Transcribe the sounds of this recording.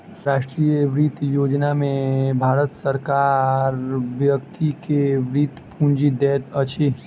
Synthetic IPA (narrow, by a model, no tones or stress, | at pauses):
ɾaːʃʈɾijəʋɾit̪joːd͡ʒnamẽbʱaːɾət̪səɾkaɾʋjəkt̪ikeʋɾit̪pʰũnd͡ʒid̪ɛːt̪ət͡ʃʰe